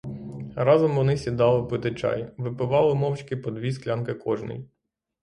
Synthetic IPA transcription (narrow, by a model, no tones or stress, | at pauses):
ɾɑzɔmʋɔnɪsʲid̪ɑlˠɪpɪt̪ɪt͡ʃɑ̰jʋɪpɪʋɑlˠɪmɔwt͡ʃkɪpɔd̪ʋʲisklʲɑnkɪkɔʒnɪ̰j